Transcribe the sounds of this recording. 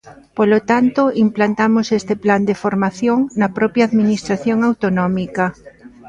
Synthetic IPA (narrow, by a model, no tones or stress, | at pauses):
polot̪ant̪oimplant̪amosest̪epland̪efoɾmaθjoŋnɐpɾɔpjaːðminist̪ɾaθjoŋawt̪onɔmika